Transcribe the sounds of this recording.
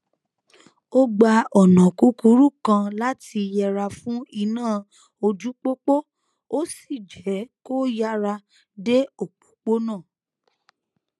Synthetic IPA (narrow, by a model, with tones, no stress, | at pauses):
o˦ɡ͡ba˧ɔ˨nã˨ku˨˦ku˧˦ɾu˦kã˧la˦ti˧jɛ˧ɾa˧fũ˦i˧nãː˦˨ | o˧d͡ʒu˦k͡po˦k͡po˦ | o˦si˦˨d͡ʒɛ˨˦ko˦ja˧ɾa˧ | de˦o˦˨k͡pu̥˨k͡po˦nãː˦˨